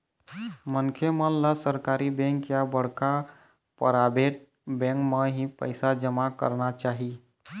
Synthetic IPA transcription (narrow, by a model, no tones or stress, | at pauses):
mənkʰemənlasəɾkaɾibẽŋkjabəɽ̤ka | pə̰ɾabeʈ̚ | bẽŋkmeɦipə̰ɪsad͡ʒəmakə̰ɾnat͡ʃaːɦi